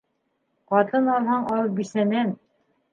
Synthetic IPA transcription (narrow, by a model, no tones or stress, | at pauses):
qɑt̪ɤnɑlˠhɑɴɑlˠɤp̚bisænæn